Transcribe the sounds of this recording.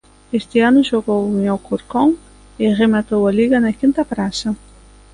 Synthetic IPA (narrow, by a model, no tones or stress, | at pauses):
est̪eanʊʒoɣowŋawkuɾkõŋ | eʁemat̪owɐaliɣɐnɐkint̪ɐpɾasɐ